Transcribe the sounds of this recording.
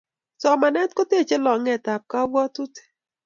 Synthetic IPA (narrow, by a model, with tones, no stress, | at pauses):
sɔ˨ma˨nɛ˦tko˦te˦˨t͡ʃe˦lɔ˨ŋɛ˨ta˨p̚ka˦wɔ˦tu˦te̥˨